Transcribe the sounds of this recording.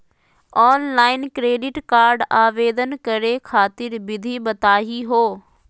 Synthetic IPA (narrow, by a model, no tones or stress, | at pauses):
ɔːnlaːɪnkɾeːɖɪʈkaːɾɖaːʋeːd̪ənkɐɾekʰaːt̪ɪɾbɪd̪ʱiɓɐt̪aːɦiɦoː